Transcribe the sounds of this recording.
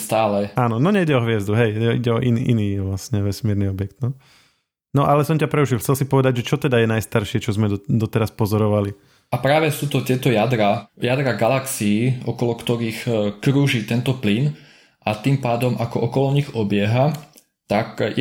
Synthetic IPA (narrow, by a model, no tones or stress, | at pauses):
st̪aːlɛʔaːnɔnɔɲɛiɟɛɔɦʋɪɛzd̪uɦɛjɛḭɟɛɔʔinʔiniːʋlasɲɛʋɛsmɪɛɾniɔbjɛk̚t̪nɔ | nɔʔalɛsɔmcapɾɛuʃilˠxt͡sɛlsipɔʋɛd̪aɟʒɛt͡ʃɔt̪ɛd̪ajɛnajst̪aɾʃɪɛt͡ʃɔzmɛd̪d̪ɔt̪ɛɾaspɔzɔɾɔʋali | apɾaːʋɛsuːt̪ɔt̪ɪɛt̪ɔjad̪ɾajad̪ɾaɡalaksiiɔkɔlɔkt̪ɔɾiːxkɾuːʒiːt̪ɛnt̪ɔplin | ʔat̪impaːd̪ɔmʔakɔʔɔkɔlɔɲiɣɔbɪɛɦa | t̪akj